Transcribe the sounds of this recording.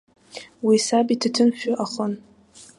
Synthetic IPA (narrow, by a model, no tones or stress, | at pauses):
wisabitʰatʰɨnʃᶣaʔaχən